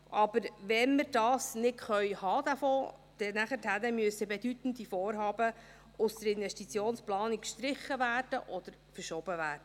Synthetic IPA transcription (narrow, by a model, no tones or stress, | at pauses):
ʔɑb̥əɾvɛnməɾd̥ɑːsnɪtχœʏhɑːd̪æfoːd̪̥ɛnæχəthænəmyʉəsəbɛd̥yt̪ən̩d̪ifoːɾɦɑːbə | ʊst̪əɾɪnvɛʃtit͡sjoːnsplɑːnikʃt̪ɾɪχːəvæːrd̥əʔɔd̥̪əɾfəɾʃɔːb̥əvæːɾd̥ə